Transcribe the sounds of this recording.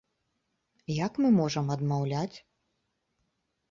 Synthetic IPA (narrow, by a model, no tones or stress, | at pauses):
jɐkmɨmɔʐɐmɐd̪mawlʲat͡sʲ